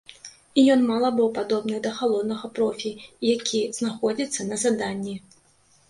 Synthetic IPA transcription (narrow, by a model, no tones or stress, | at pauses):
ijɔnmalˠɐbɨwpad̪ɔbnɨd̪ɐxalˠɔd̪nɐɣɐpɾɔfʲijakʲʰiz̥naxɔd͡zʲit̪sːɐnɐzad̪anʲːi